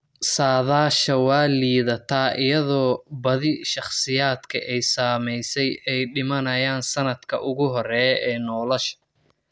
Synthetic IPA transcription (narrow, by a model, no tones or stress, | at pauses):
saːðaːʃɐwɑːliːðɐt̪ʰaːʔɪjɐðɔːbɐðɪʃɑχsɪjaːd̪kʰɐ̰ʔɛjsaːmɛjsɛjɛjɖɪmɐnɐjaːnsɐnɐd̪kʰɐ̰ʔʊɣʊɦɔrɛːɛːnɔːlɐʃɐ̥